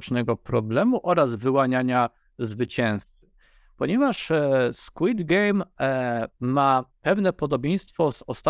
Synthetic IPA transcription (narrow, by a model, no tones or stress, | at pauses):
t͡ʂnɛɡɔpɾɔblɛmuʔɔɾazvɘwaɲaɲa | zvɘt͡ɕɛ̃w̃st̪sɘ̥ | pɔɲɛvaʂskwid̪ɡɛjmː | apɛvnɛpɔd̪ɔbʲjɛ̃j̃st̪fɔzɔst̪a